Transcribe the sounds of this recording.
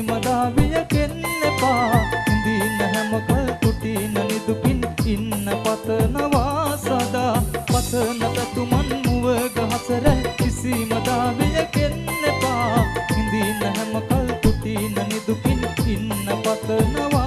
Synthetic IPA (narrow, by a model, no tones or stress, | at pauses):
mɐd̪aʋijɐkenlepaɦind̪inɐɦɛmɐkɐlput̪inɐnid̪upininːɐpɐt̪ənɐʋasad̪apɐt̪ənɐt̪ɐt̪umɐnmuʋəɡɐɦɐsɐɾɐɦkisimɐd̪aʋijɐkenlepaind̪inɐɦɛmɐkɐlput̪inɐnid̪upininːɐpɐt̪ənɐʋa